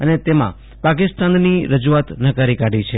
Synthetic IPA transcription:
ənet̪emã̰ | pakɪst̪anːiɾəd͡ʒuat̪nəkaɾikaɽit͡ʃʰe

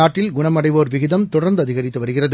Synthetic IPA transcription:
aːʈːɪlɡʊɳɐmɐɽɐɪʋoːɾʋɪɣɪðɐmt̪ʊɽɐɾnd̪ɯɐðɪɣɐɾɪt̪ːɯʋɐɾɯɣɪrɐðɯ

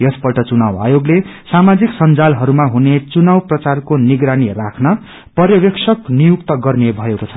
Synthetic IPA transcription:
jʌspʌʈʌt͡sunawa̰joɡlesamad͡ziksʌnd͡zalɦʌɾumaɦunet͡sunawprʌt͡sarkoniɡɾanirakʰnʌ | pʌrjʌbeksʰʌknijuk̚t̪ʌɡʌrnebʱʌekot͡sʰʌ̥

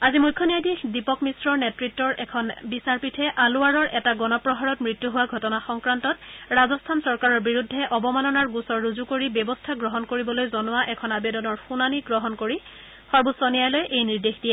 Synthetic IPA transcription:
azimujkʰːɔnijajdixdipɔkmisɹɔɹnɛtɹitːɔɹɛkʰɔnbisaɹpitʰɛʔaluaɹɔɹʔɛtaɡɔnɔpɹɔɦaɹɔtmɹitːuɦʊwaɡʱɔtɔnaxɔŋkɹantɔtɹazɔstʰansɔɹkaɹɔɹbiɹudʱːɛʔɔbɔmanɔnaɹɡusɔɹːuzukoɹibɔbɔstʰaɡɹɔɦɔnkoɹibɔlojzɔnʊwaʔɛkʰɔnabedɔnɔɹxunaniɡɹɔɦɔnkoɹi | xɔɹbusɔnijajlojʔejniɹdexdiɛ

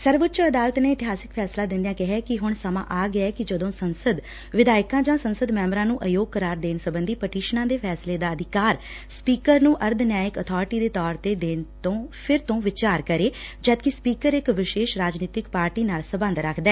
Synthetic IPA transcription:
səɾʋʊtːt͡ʃəd̪aːlt̪neːɪt̪ɪɦaːsɪkpʰɛːslãːd̪ɪ̃nd̪iãːkɪɦɛːkɪɦʊɳsəmã̰ːʔaːɡɪɛɛːkɪd͡ʒəd̪õːsənsəd̪ | ʋɪd̪aːɪkãːd͡ʒãːsənsəd̪mɛ̃ːmɾãːnũːʔəjoːɡ̚kəɾaːɾd̪eːnsəbənd̪iːpəʈiːʃnãːd̪eːpʰɛːsleːd̪aːəd̪ʱɪkaːɾ | spiːkəɾnũːʔəɾd̪naːɪkət̪ʰɔːɾɪʈiːd̪eːt̪ɔːɾt̪eːd̪eːnt̪õːpʰɪɾt̪õːʋɪt͡ʃaːɾkəɾeːd͡ʒət̪̚kɪspiːkəɾɪkʋɪʃeːʃɾaːd͡ʒniːt̪ɪkpaːɾʈiːnaːlsəbə̃nd̪ɾəkʰd̪ɛː

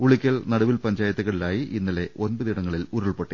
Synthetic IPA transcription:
uɭikʲːɐɭnɐɽɐʋilpɐɲd͡ʑaːjɐt̪ːɐɣɐɭilaːjiʔinːɐle̞ʔo̞nbɐðiɽɐŋːɐɭiluɾɐɭpeʈːe

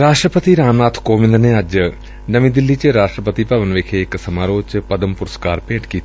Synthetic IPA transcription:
ɾaːʂʈrɐpɐt̪iɾaːmnaːt̪ʰkoːmind̪ɐneɐd͡ʑɨ | nɐmid̪ilːit͡ɕɨɾaːʂʈrɐpɐt̪ipɐʋɐnʋeːkʰeekːɨsɐmaːɾoːt͡ɕɨpɐd̪ɐmpuɾɐskaːɾpeːʈkiːt̪ː

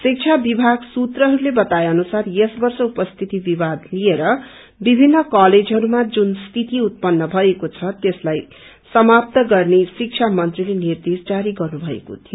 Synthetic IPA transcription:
sik̚t͡sʰabibʱaɡsut̪rʌɦʌɾulebʌt̪ajʌnusarjesbʌrsʌupʌst̪ʰit̪ibibad̪lieɾʌ | bibʱinːʌkaled͡zɦʌɾumad͡zunst̪ʰit̪iut̪̚pʌnːʌbʱʌekot͡sʰʌt̪eslaj | sʌmap̚t̪ʌɡʌrnesik̚t͡sʰamʌnt̪rilenird̪esd͡zaɾiɡʌrnubʱʌḛko̰t̪ʰijo

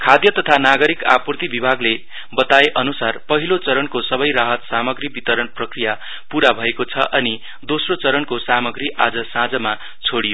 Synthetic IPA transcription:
kʰad̪jʌt̪ʌt̪ʰanaɡʌɾika̰purt̪ibibʱaɡle | bʌt̪aeʔʌnusarpʌɦilot͡sʌɾʌnkosʌβʌjraɦʌt̪samʌɡribit̪ʌɾʌnprʌkrija | puɾabʱʌekot͡sʰʌʔʌni | d̪osrot͡sʌɾʌnkosamʌɡriʔad͡zʌsãd͡zʌma | t͡sʰoɽijo

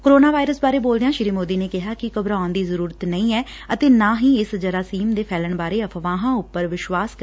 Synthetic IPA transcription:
koɾoːnaːʋaːɪɾəsbaːɾeːboːld̪ejãːʃɪɾiːmoːd̪iːneːkɪɦaːkɪkəbɾãːnd̪iːzəɾuːɾət̪nəĩːɛː | ət̪eːnãːɦĩːɪsd͡ʒəɾaːsiːmd̪eːpʰɛːləɳbaːɾeːəpʰʋãːɦãːʊpːəɾʋɪʃʋaːskə

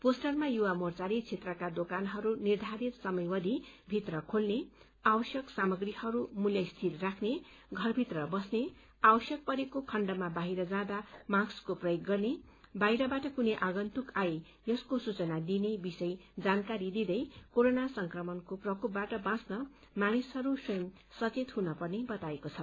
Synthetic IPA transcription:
posʈʌrmajuwamort͡saɾit͡sʰet̪rʌkad̪okanɦʌɾunird̪ʱaɾit̪sʌmʌjwʌd̪ʱibʱit̪rʌkʰolne | abʌsjʌksamʌɡrihʌɾumuljʌst̪ʰilrakʰne | ɡʱʌrbʱit̪rʌbʌsne | awʌsjʌk̚pʌɾekokʰʌɳɖʌmabaɦiɾʌd͡zãd̪amãkskoprʌjoɡːʌrne | bajɾʌbaʈʌkuneʔaɡʌnt̪ukae | jʌskosut͡sʌnad̪inebisʌjd͡zankaɾid̪id̪ʌjkoɾonasʌŋkrʌmʌnkoprʌkʰup̚baʈʌbãsnʌ | manishʌɾusujʌm | sʌt͡set̪ɦunʌpʌrnebʌt̪aekot͡sʰʌ

